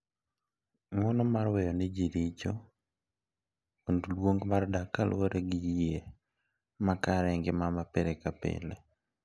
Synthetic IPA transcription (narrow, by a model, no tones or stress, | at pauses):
mɔnɔmarwɛjɔnɛd͡ʒiɾid͡ʒo | ondlwoŋɡmardakalwoɾeɡɪd͡ʒje | makaɾɛŋɡɪmamapeɾekapḛle